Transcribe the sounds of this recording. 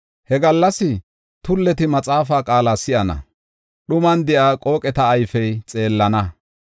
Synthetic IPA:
hɛɡɐlːɐsɪ | t̪ʊlːɛt̪ɪmɐt͡sʼaːfaːkʼaːlaːsɪʔɐnɐ̰ | ɗʊmɐnd̪ɪʔaːkʼo̞ːkʼɛt̪ɐːjfɛjt͡sʼe̞ːlːɐnɐ

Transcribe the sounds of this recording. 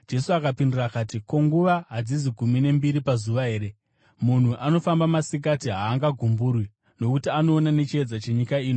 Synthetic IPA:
d͡ʒe̞suakapindirakaːtiko̞ŋɡuʋaɦad͡ziziɡʱumine̞mbiɾipazuʋaɦe̞ːɾe̞ | mun̤uʔano̞fambamasik̬atiɦaːŋɡaɡʱumburwi | no̞kutiano̞ːnane̞t͡ʃied͡zat͡ʃe̞ɲikaiːni

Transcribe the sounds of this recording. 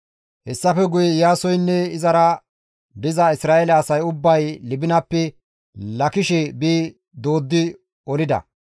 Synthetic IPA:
hɛsːɐfɛɡʊjɛjaːsɔjnːɛɪzɐɾɐ | d̪ɪzɐɪsɾaːʔɛlɐːsɐjʊbːɐjlɪbɪnɐpːɛ | lɐkɪʃɛbiː | d̪oːd̪ːɪ | ɔlɪd̪ɐ̰

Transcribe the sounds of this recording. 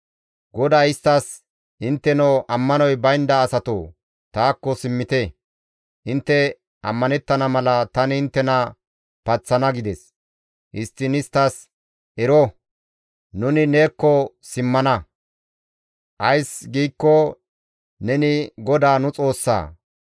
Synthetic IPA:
ɡɔd̪aːɪst̪ːɐs | ʔɪnt̪ːɛnɔwʔɐmːɐnɔjbɐjnd̪ɐːsɐt̪o̰ː | t̪aːkːɔsɪmːɪt̪ɛ | ʔɪnt̪ːɛ | ʔɐmːɐnɛt̪ːɐnɐmɐlɐt̪ɐnɪnt̪ːɛnɐ | pɐt͡sːɐnɐɡɪd̪ɛs | ʔɪst̪ːɪnɪst̪ːɐs | ʔɛɾɔ | nʊnɪne̞ːkːɔ | sɪmːɐnɐ | ʔɐjsɡiːkːɔ | nɛnɪɡɔd̪aːnʊt͡sʼo̞ːsːa̰ː

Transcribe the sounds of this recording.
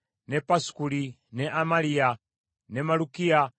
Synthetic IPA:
nɛpaskuli | nɛʔamalia | nɛmalukia

